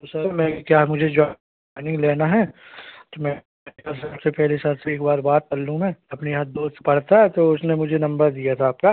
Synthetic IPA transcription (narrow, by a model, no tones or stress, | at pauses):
t̪osɐmɛ̃ːkjaːmʊd͡ʒʱed͡ʒɔ | ɪnɪ̃ŋɡleːnaɦɛt̪omɛ̃ | kɐsɐbsepɛɦlisɐɾseeːkbaːɾbaːt̪̚t͡ʃɐlːũmɛ̃ːɐpniɦɐt̪̚d̪oːst̪pɐɽ̤t̪aɦɛt̪oʊsnemʊd͡ʒʱenɐ̃mbəɾd̪ijat̪ʰaːp̚kaː